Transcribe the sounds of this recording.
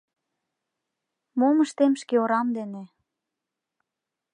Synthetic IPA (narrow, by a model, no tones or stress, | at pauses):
moməʃt̪emʃkeoɾɑmd̪ene